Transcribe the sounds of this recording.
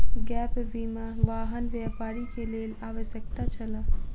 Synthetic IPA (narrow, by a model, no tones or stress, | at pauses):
ɡɛːpʋiːmaʋaːɦənʋjaːpaːɾikeleːlaːʋəsjək̚t̪at͡ʃɐla